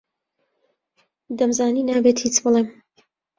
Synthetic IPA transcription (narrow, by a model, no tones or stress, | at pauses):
d̪ɐmzaːniːnaːbeːt̪hiːt͡ʃbɨlem